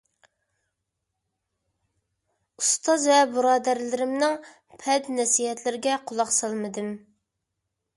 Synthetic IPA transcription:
ust̪ɑzvɛbɨɾɑːd̪æɾlɪɾɪmnɪŋ | pʰɛd̪nɛsiɛt̪lɪɾɪɡʲɛqʰʊlˠɑχsɑlˠmɨd̪ɨm

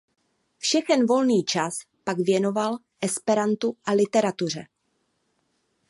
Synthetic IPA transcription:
fʃɛxɛnvo̞lniːt͡ʃas | paɡvjɛno̞val | ʔɛspɛɾant̪uʔalɪt̪ɛɾat̪ur̝ɛ

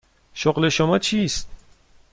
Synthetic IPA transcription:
ʃoɢle̞ʃomɒːt͡ʃʰiːst̪̚

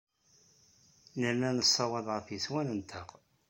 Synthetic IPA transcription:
næmænəsˤːɑwɑðˤʁəɾfjəswænənt̪ʰəq

